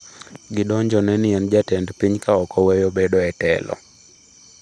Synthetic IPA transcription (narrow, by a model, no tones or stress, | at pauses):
ɡɪdɔɲd͡ʒɔnɛnɪɛnd͡ʒatɛndpiɲkaɔkɔwejobedɔɛtɛ̰lɔ̰